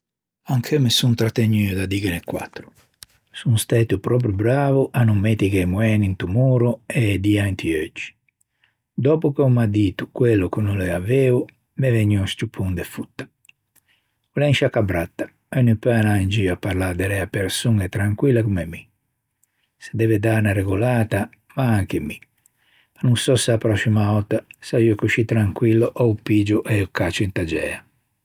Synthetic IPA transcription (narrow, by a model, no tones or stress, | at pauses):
aŋkʰɛmɛsunt̪ɾat̪ːeɲːiːud̪ad̪ikɛnɛkːwa̰t̪ːɾu̥ | sunst̪ɛːt̪upɾɔːp̬ɾubɾaːvuʔanumːet̪ikɛmuɛːnint̪umuːɾuɛd̪iant̪ʰiød͡ʒːi̥ | d̪ɔːpukɛmad̪iːt̪ukwɛlːukunulɛaveːu | mɛvɛɲːɔst̪upʰːund̪ɛfut̪ːḁ | ulɛŋʃakabɾat̪ːḁ | ɛnipɛanaind͡ʒiːapːaɾlaɾd̪ɛɾɛapeɾsuŋɛt̪ːɾaŋkwilːakumemːi | se̥d̪ɛved̪anaɾeɡulaːt̪a | maaŋkemi | anuŋsɔseapɾɔsimaɔt̪ːasaiːokuʃit̪ːɾaŋkwilːoʔɔupid͡ʒuʔɛukat͡ʃuint̪ad͡ʒɛ̰ːa